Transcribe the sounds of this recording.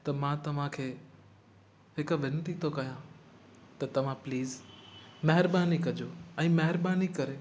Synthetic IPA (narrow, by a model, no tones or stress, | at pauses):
t̪ɐmãt̪ɐʋ̤ãkʰeː | ɦɪkʋɪ̃nʈ̪it̪ʰokɐjã | t̪ɐt̪ɐʋ̤ãpliːzmɐɦɪɾbaːnikɐd͡ʑoɛ̃ːmɐɦɪɾbaːnikɐɾeː